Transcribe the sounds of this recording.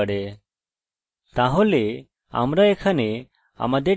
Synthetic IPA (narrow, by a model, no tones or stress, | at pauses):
əɽɛ | t̪aɦole | a̰mɾaɛkʰane | a̰mad̪e